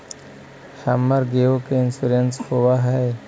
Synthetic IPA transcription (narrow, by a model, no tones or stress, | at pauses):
hamːəɾɡeokeɪnsuɾenshowaɦɛː